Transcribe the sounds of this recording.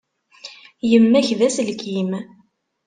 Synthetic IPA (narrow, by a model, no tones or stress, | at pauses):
jəmːæçðæsəlkim